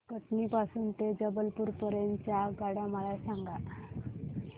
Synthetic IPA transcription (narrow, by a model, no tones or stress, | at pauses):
kəʈniːpasuːnt̪ed͡zəbəlpuːɾpəɾent͡ɕaɡaɽaməlasãŋɡa